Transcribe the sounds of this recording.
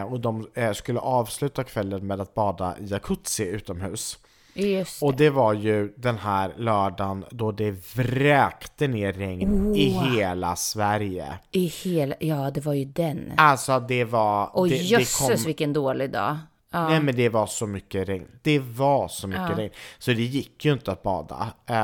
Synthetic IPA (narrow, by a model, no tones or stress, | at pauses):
ɔd̪ɔmskɵlːə̰ʔɑːvslʉ̟ːt̪akʰvɛlːənmeːd̪at̪̚bɑːd̪a̰ʔɪakʰɵt̪sɪʉ̟ːt̪ɔmhʉ̟ːs | ɔd̪ɛvaɾjɵd̪ɛnɦæːɾlœːɖand̪ɔd̪ɛvɾɛːkt̪əneːɛŋnɪɦeːla̰svæɾjə̰ɪhːljɑːd̪ɛvaɾjɵd̪ɛnalsɔd̪ɛvaɔɛɛkʰɔvɪkːənd̪oːlɪɡd̪ɑ̰ː | nɛmɛnd̪ɛvaʂɔmʏkːəɾɛŋnd̪̥ɛvaʂɔmʏkːəɾɛŋnsɔd̪ɛjɪkːjɵɪnt̪əat̪̚bɑ̰ːd̪a̰